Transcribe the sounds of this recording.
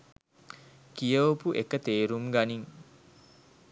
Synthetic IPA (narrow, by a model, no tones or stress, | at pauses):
kijəopuʔekət̪eːɾumɡaniŋ